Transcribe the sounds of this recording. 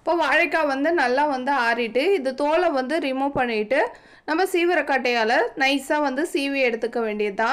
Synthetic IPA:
ɪpːoːʋaːɻɐkːaːʋɐnd̪ɯnɐlːaːʋɐnd̪ɯaːɾɪʈːɯɪðɯt̪oːlɐʋɐnd̪ɯɾɪmuːpɐɳːɪʈːɯ | nɐmːɐsiːʋɪɾɐkɐʈːɐjaːlɐnɐɪsaːʋɐnd̪ɯsiːʋɪɛɽɯt̪ːɯkːɐʋeːɳɖɪjɐt̪ãː

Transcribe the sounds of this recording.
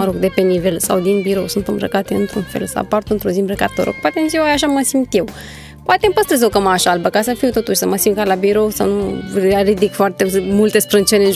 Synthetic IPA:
əɾoɡd̪e̞pe̞nive̞lsawd̪inbiɾo̞wsunt̪ɨmbɾə̰kat̪eɨnt̪ɾunfe̞̰lsə̰a̰part̪uɨnt̪ɾuzimbɾəka̰t̪oɾo̰k̚pat̪emziwajaʃ̬aməsimt̪jew | poat̪empəst̪ɾəzokəmaʃalbəkasəfiut̪o̞t̪uʃʲsəməsimkalabiɾo̞wsa̰wnurid̪ikfoart̪emult̪e̞spɾɨnt͡ʃelen

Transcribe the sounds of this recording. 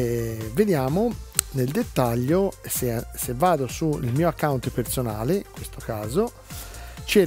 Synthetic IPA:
ved̪jaːmoneld̪et̪ːaʎːosesevːaːd̪osuḭlmiːoakːawnt̪peɾt̪sonaːleiŋkwest̪okaːzo | t͡ʃe

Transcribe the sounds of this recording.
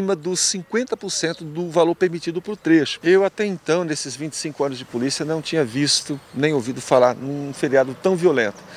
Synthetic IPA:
ĩmɐd̪ʊsĩŋkwẽnt̪ɐpoɾsẽnt̪ʊd̪ʊvaloɾpeɾmit͡ʃid̪ʊpɾʊt̪ɾeʃʊ̥ewat̪ɛĩnt̪ɐ̃w̃nesɪzvĩt͡ʃɪ̥sĩkʊɐ̃nʊzd͡ʒɪpolisiɐnɐ̃w̃t͡ʃĩɲɐvist̪ʊnẽj̃owvid̪ʊfalaɾnũfeɾiad̪ʊt̪ɐ̃w̃violẽnt̪ʊ

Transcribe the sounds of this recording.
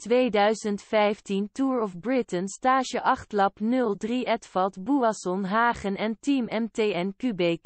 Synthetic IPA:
tʋejdœɥzəntfɛjftintuːɹɔfbrɪtənstaːʒəʔɑχtlɑpnɵlˠdriɛtfɑlˠtbuasɔnɦaːχənɛntimɛmtejɛnkybɛjk

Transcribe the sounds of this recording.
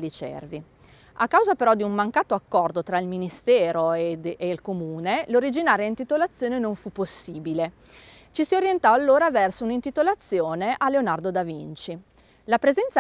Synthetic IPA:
lit͡ʃɛ̰rvi | akːawzapeɾɔd̪iummaŋkaːt̪oakːɔrd̪ot̪ɾailminist̪ɛːɾoeilkomuːneloɾid͡ʒinaːɾjaint̪it̪olat̪sːjoːnenoɱfupːosːiːbile | t͡ʃisioɾjent̪ɔalːoːɾavɛrsounint̪it̪olat̪sːjoːneʔaleonard̪od̪avint͡ʃi | lapɾezɛnt̪sa

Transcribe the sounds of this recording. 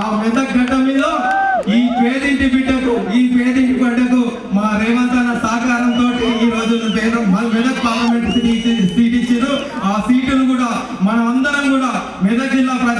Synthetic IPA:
aːʋid̪ɐk̚ɡʱɐʈɐmiːd̪ɐːiːpeːd̪iɳʈibiʈːɐt̪uiːpeːd̪iɳʈipɐɽɐt̪u | maːɾɛːʋɐnt̪ɐnɐsaːkaːɾɐnt̪o̞ːʈiiːɾo̞ːd͡ʒuɛːd̪ɐmɐʋid̪ɐk̚paːɾlɐmeɳʈsiʈisiːʈ̬it͡ʃiɾu | aːsiːʈunukuːɽaː | mɐnɐmɐnd̪ɐɾɐmkuːɽaː | ʋid̪ɐɡilːɐpɾɐ

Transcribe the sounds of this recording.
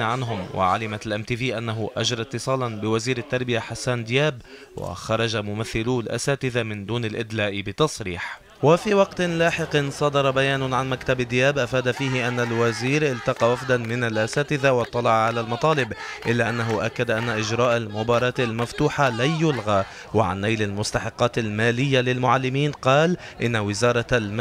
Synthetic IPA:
ʕanɦʊmwʔa̰ʕa̰lɪmat̪lʔamt̪iːviːʔanːaɦʊʔad͡ʒɾˤɑt̪ːɨsˤɑːlɑnbɪwaziːɾɪt̪ːɑɾˤbɪjaħasːaːnd̪ɪjaːb | wa̰xɑɾˤɑʒamʊmaθːɪluːlʔa̰saːt̪ɪðamɪnd̪uːnɪlʔɪd̪laːʔbɪt̪ɑsˤɾḭːħ | wafiwɑqt̪laːħɪqnsˤɑd̪ɑɾˤɑbajaːnʊʕanmakt̪abɪd̪ɪjaːbʔafaːd̪afiːɦɪʔanːalwaziːɾʔɪlt̪ɑqɑwafd̪anmɪnalʔasaːt̪ɪðawɑt̪ˤːɑlɑʕʕalalmɑt̪ˤɑːlɪbʔɪlːaʔanːaɦʊʔakːad̪aʔanːaʔɪʒɾɑːʔalmʊbɑːɾˤɑːt̪almaft̪uːħalajʊlɣaː | wa̰ʕa̰nːajlalmʊst̪ɑħɪqːɑːt̪almaːlɪjːalɪlmʊʕalːɪmiːnqɑːl | ʔɪnːawɪzɑːɾˤɑlm

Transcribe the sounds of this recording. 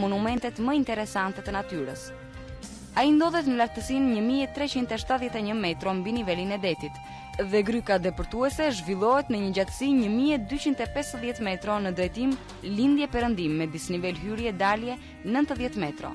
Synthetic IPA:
mɔnumɛnt̪ɛt̪məint̪ɛɾɛsant̪ɛt̪ənat̪yɾəs | aind̪ɔðɛt̪nəlaɾt̪əsinɲəmiɛt̪ɾɛt͡ɕint̪ɛʃt̪aðjɛt̪ɛɲəmɛt̪ɾɔmbinivɛlinɛd̪ɛt̪it̪ | ðɛɡɾykad̪ɛpɔɾt̪uɛsɛʒvilˠɔɦɛt̪nəɲəd͡ʑat̪ə̥siɲəmiɛd̪yt͡ɕint̪ɛpɛsðjɛt̪mɛt̪ɾɔnəd̪ɾɛjt̪im | lind̪jɛpɛɾənd̪imːɛd̪isnivɛlɦyɾjɛd̪aljɛ | nənt̪əðjɛt̪mɛt̪ɾɔ̰

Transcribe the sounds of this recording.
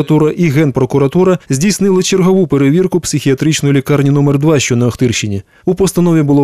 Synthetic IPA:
ɐt̪uɾɐʔiɣɛnpɾɔkʊɾɐt̪uɾɐzʲdʲijsnɪlˠɪt͡ʃerɦɔʋupeɾeʋʲirkʊpsʲɪxʲiɐt̪ɾit͡ʃnɔjlʲikɑrnʲinɔmɛrd̪ʋɑʃt͡ʃɔnɐɐxt̪ɪrʃt͡ʃɪnʲi | upɔst̪ɐnɔʋʲibʊlˠɔ

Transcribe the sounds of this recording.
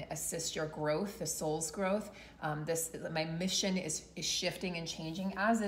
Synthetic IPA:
ɨsɪst͡ʃə˞ɡɹoʊθðɨsoʊlˠzɡɹoʊθ | ðɪsmaɪmɪʃɨ̃nɪ̰z̥ɨz̥ʃɪftɪ̃ŋɨ̃nt͡ʃʰẽɪ̃nd͡ʒɪ̃ŋəzɨ

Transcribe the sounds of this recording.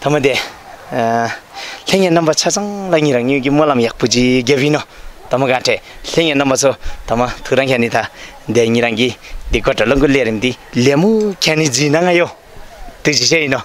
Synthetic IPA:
t̪ʰamad̪e | ɬeŋenambat͡ɕʰat͡saŋlaɲiɾaŋɲiŋkimolamjaʔ̚put͡ɕiɡeinɔt̪amaɡaʈ͡ʂʰeɬeʔŋenambat͡sʰot̪ʰamat̪ʰuɾaŋkʰɛnːit̪ʰa | d̪eɲiɾaŋkid̪ikoʈ͡ʂaloŋɡuleːɾimt̪ileːmukʰɛnid͡ziːnaŋajo | t̪ɯt͡ɕiɕ̬eːjinɔ

